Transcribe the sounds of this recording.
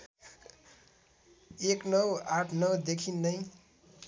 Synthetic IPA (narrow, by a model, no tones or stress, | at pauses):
eknʌwaʈʰnʌwd̪ekʰinːʌj